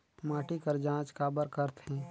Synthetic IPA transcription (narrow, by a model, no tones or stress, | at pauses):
maːʈikəɾd͡ʒãːt͡ʃkaːbəɾkəɾt̪ɦɛ̃ː